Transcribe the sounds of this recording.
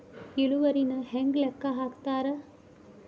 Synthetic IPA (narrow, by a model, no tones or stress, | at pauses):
iluʋɐɾinɐɦeŋɡlɐkːɐɦaːkt̪aːɾɐ